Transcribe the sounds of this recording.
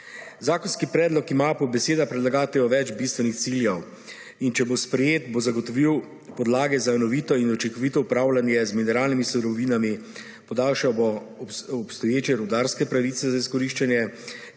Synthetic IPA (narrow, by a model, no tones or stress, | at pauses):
zaːkɔnskipɾɛːd̪lɔkimapɔbɛseːd̪apɾɛd̪laɡaːt̪ɛjɔʋɛd͡ʒbist̪ʋɛnixt̪siljɛw | int͡ʃɛbospɾɛjeːt̪bozaɡɔt̪ɔʋiw | pɔd̪laːɡɛzanɔʋit̪ɔinut͡ʃiŋkɔʋit̪ɔupɾaːwlanjɛzminɛɾaːlnimisuɾɔʋiːnami | pɔd̪aːlʃawbo | ɔpst̪ɔjeːt͡ʃjɛɾɔwd̪aːɾskɛpɾaʋit̪sɛzaiskɔɾiʃt͡ʃanjɛ